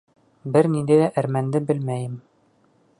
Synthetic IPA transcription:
bɘɾnind̪æjd̪æʔæɾmænd̪ɘbɘ̆lmæjɘm

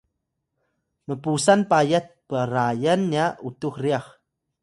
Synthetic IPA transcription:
məpusanpajət̪̚pəɾajənːautuxriax

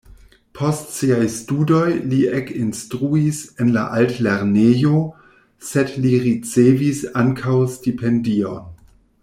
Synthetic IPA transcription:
pʰo̞stsiajstudo̞jliekinstɾuisenla̰ʔaltleɾnejo | sedliɾit͡sevisaŋkʰawstipʰendio̞̰n

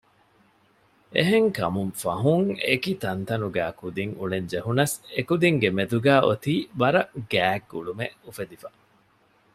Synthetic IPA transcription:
eɦeŋkɐ̰mumfɐ̰ɦuŋekit̪ɐnt̪ɐnuɡæːkud̪iŋṵɭeɲd͡ʒeɦunɐsekud̪iŋɡemed̪uɡæːʔot̪iːʋɐɾɐɡæːɡuɭumeufed̪ifɐ̥

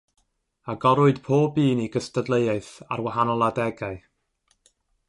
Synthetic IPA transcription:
aɡɔɾʊɨd̥pʰoːbiːniɡəstədlˠejaɨθa̰rwaɦanɔlˠadɛɡaɨ

